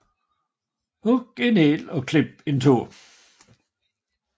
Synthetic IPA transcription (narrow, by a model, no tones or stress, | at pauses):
hʊɡ̥ɪneːlɔkʰl̥ɪb̥̚ɪntʰuː